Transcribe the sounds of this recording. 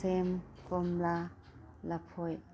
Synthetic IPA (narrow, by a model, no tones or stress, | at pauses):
emkɔmla | lapʰɔj